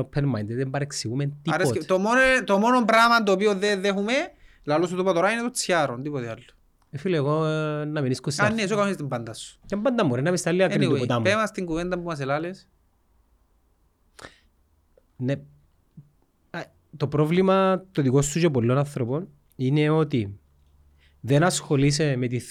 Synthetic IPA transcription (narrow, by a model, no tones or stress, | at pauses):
opʰːenmajnd̪eðembɐɾeksiɣument̪ipɾeostt̪omot̪omonompɾamɐnt̪oːpioðeðexume | lalosot̪upɐt̪oɾainet̪ot͡sjaɾond̪ipot̪ealːu̥ | efileɣonːɐminiskosanes̬okaoist̪imbɐnd̪ɐsu̥cembɐnd̪ɐmuɾenːɐpist̪ɐlːiɐkɾiuot̪ɐmpemɐst̪iŋɡuvend̪ɐmbumɐs̬elales | ne | t̪opɾovlimɐt̪oðikosːucepolːonɐnθɾopon | ineo̞t̪i | ðenɐsxo̞lis̬emet̪i